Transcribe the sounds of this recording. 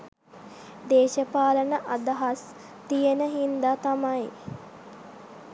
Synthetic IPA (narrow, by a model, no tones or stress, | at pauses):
d̪eːʃəpaːlənəʔad̪aɦas | t̪ijənəɦind̪aːt̪amaj